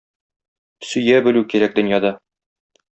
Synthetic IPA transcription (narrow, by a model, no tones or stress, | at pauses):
sɵ̆jæbɘ̆lʉkiɾæk̚d̪ɵ̆njɑd̪ɑ